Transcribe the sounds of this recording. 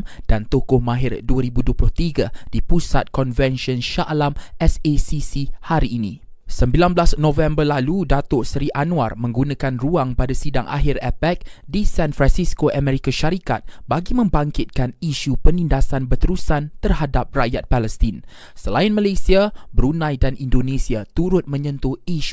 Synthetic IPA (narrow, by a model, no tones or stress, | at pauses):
md̥ant̪okʊhmãɦɪrduəɾibuduəplʊht̪iɡad̥ipusat̪̚kɔnvɛnʃɔnʃaʔlamɛsesisihaɾiːnĩ | səmbilanblasnõvɛmbərlaludat̪ʊʔsəɾiʔanũa̰rmə̃ŋɡunãkanruaŋpadasidaŋʔa̰ɦɪrɛpɛk̚disanfɾansiskoʔamɛ̃ɾikaʃaɾika̰t̪̚baɡimə̃mbaŋkɪt̪̚kaniʃupənindasanbət̪əɾusant̪ərhadap̚raʔjat̪̚paləst̪in | səlaɪnmalesiabəɾunãjdanindonẽsiat̪uɾʊt̪̚mə̃ɲə̃nt̪uiʃu̥